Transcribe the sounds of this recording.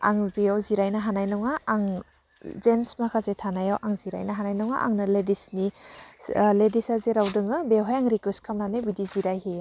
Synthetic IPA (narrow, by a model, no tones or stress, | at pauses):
a̰ŋbijawziɾajnaɦanajnɔŋaːŋ | zensmakʰazetʰanajawʔaŋziɾa̰jnaɦanajnɔŋa̰ʔa̰ŋnɯledisni | ledisazeɾawdɯŋɯbeɦajaŋɾikweskʰamnanɯjbidiziɾajhe